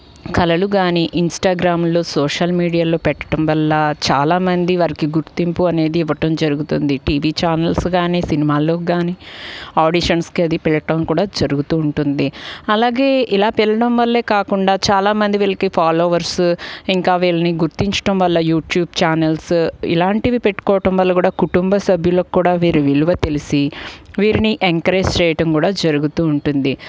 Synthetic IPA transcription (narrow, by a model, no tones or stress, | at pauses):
kɐlɐluɡaːniʔinsʈaːɡɾaːmlo̞ːsoːʂɐlmiːɽijaːlo̞ːpɛʈːɐ̥ʈɐmʋɐlːɐt͡ʃaːlaːmɐnd̪iʋɐɾikiɡuɾt̪impuɐne̞ːd̪iːʋɐʈɐmd͡ʒɐɾuɡut̪und̪iʈiːʋiːt͡ʃaːnɐlsɡaːniːsinimaːlo̞ːɡaːniːaːɖiʃɐnskiɐd̪ipiɭɐʈɐmkuːɽaːd͡ʒɐɾuɡut̪uːɳʈund̪iɐlaːɡe̞ːʔilaːpiɭːɐɽɐmʋɐlːe̞ːkaːkuɳɖaːt͡ʃaːlaːmɐnd̪iʋiɭɐkipʰaːloːʋɐɾsiŋkaːʋiːlɐniɡuɾt̪iɲt͡ʃɐ̥ʈɐmʋɐlːɐjuːʈjuːb̚t͡ʃaːnɐlsḭlaːɳʈiʋipeʈːu̥kɔːʋɐʈɐmʋɐlːɐkuːɽaːkuʈumbɐsɐbʱjuloːkkːuːɽaːʋiːɾiʋiluʋɐt̪e̞lisiʋiːɾiniʔeŋkɐɾeːd͡ʒt͡ʃɛːjɐʈɐmkuːɽaːd͡ʒɐɾuɡut̪uːɳʈund̪i